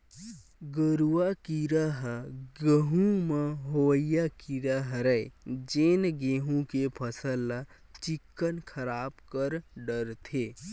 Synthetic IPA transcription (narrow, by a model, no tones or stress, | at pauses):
ɡəɾuakiɾəɦɡəɦũmə̃ɦoəjakiɾəɦɾəed͡ʒeːnɡeːɦũkepʰəsəl | t͡ʃɪkːənkʰəɾaːbkəɾɖəɾt̪ʰeː